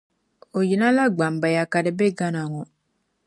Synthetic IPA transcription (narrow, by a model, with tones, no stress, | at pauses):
o˨ji˨nã˦la˦ɡ͡ba˨m˨ba˨ja˨ka˨di˨be˦ɡa˦na˨ŋɔ˨